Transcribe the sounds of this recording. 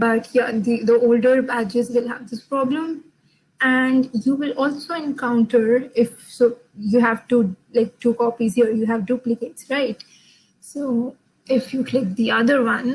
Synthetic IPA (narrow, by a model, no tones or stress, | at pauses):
bʌʈjad̪id̪əoːlɖəɾbæd͡ʒɪʈsʋɪlɦæ̰ʋd̪ɪspɾɔblə̃m | æ̃ɳɖjuːʋɪlɔːlsoːɛ̃nkãʊ̃ɳʈəɾɪfsoː | juɦæʋʈulaɪk̚ʈuːkɔːpizhiəɾjuɦæʋɖuːplɪkeːʈsɾaɪʈ | soː | ɪfjuklɪk̚d̪iʌd̪əɾʋʌ̃n